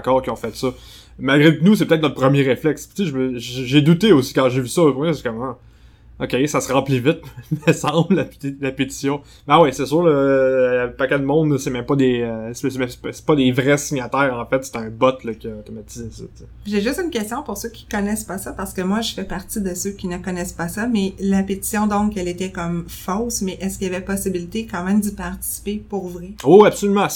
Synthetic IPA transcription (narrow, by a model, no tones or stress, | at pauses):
kɑːʁkʲiɔ̃fɛt̪sʌ | malɡʁenus̬epøt̪ɛt̪nɔt̪̚pχəmjeʁeflɛkst͡seʒəməʒʒʒed̪ut̪eosi̥kãʒevysʌopɛskɔmã | okʲesasʁɑ̃plivɪt̪̚məsɑ̃blaplapet̪i̥sjɔ̃ | bawɛsɛsøːʁləapakɛ̃d̪mɔ̃d̪ləsemɛ̃mpʌd̪esesemɛ̃msse̥pɔd̪evʁɛsiɲat̪ɛːʁɑ̃fɛt̪se̥t̪ɛ̃bɔt̪ləkʲəot̪omat̪izɛsɔt͡se | ʒeʒʏst̪ynkʲɛst̪jɔ̃pʊʁsøkʲi̥kɔnɛspasapaʁsə̥kəmwaʒəfɛpaʁt̪id̪əsøkʲinəkɔnɛspasamɛlapet̪i̥sjɔ̃d̪ɔ̃kɛlet̪ɛkɔmfɔsmɛʔɛskilavɛpɔsibilit̪ekɑ̃mɛ̃md̪ipaʁt̪i̥si̥pepuʁvʁɛwiwiabsɔlymã